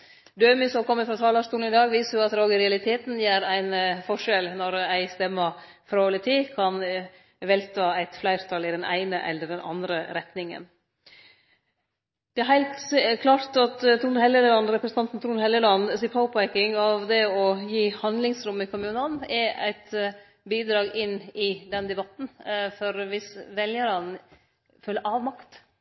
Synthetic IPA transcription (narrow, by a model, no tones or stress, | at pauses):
d̪øːmɪsɔɔkʰɔmːəfɾɑt̪ʰɑːlɑʂt̪uːln̩ɪd̪ɑːɡʋiːsəɾjʊɑt̪ɾoːɡəɾɛɑlɪt̪ʰeːt̪n̩jæːɾæɪnfɔʂɛlnɔɾæɪst̪ɛmːə | fɾoːlət̪ʰiːkʰɑn | ʋɛlt̪ʰɑːæɪt̪flæɪɾt̪ʰɑlːɪd̪ɛnæ̰ɪnəʔɛ̰lːəɖɛnɑ̰nd̪ɾəɾɛt̪nɪŋə̰n | d̪̥ɛæɾhæɪlt̪kʰlɑːɾt̪ɑt̪t̪ʰɾunhɛləllɑnːɾɛpɾəsn̩t̪ɑnt̪n̩t̪ʰɾuːnhɛlːəlɑnːsɪpʰɑʊpækɪŋɑʋd̪ɛɔjiːhɑnd̪lɪŋsɾʊmːɪkʰʊmʉːnənɛɾæ̰ɪt̪ | biːd̪ɾɑːɡɪnːɪd̪ɛnd̪ɛbɑt̪n̩fɔɾʋɪsʋɛljəɾən | fœlːəʔɑːʋmɑkt̪